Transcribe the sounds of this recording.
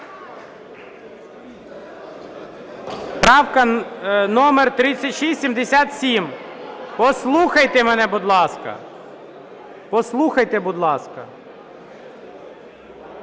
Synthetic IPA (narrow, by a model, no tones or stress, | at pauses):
pɾɑwkɐnɔmert̪ɾɪt͡sʲːɐtʲʃisʲsʲimd̪esʲat̪sʲimpɔslˠuxɐjt̪ɛmɛnɛbʊd̪lˠɑskɐ̰ | pɔslˠuxɐjt̪ɛbʊd̪lˠɑskɐ